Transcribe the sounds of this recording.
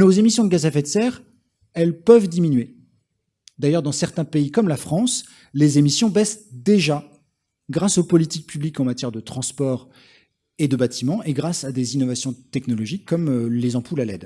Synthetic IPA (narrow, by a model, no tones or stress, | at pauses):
nozemisjɔ̃d̪əɡazɛfɛt̪sɛʁ | ɛlpœvd̪iminɥe | d̪ajœʁd̪ɑ̃sɛʁt̪ɛ̃peikɔmlafχɑ̃s | lezemisjɔ̃bɛsd̪eʒa | ɡʁasopɔlit̪ik̚pʰyblikɑ̃mat̪jɛʁd̪ət̪χɑ̃spɔʁ | ed̪əbat̪ʰimɑ̃ʔeɡʁasad̪ezinɔvasjɔ̃t̪ɛknɔlɔʒikːɔmølezɑ̃pulalɛ̰d̪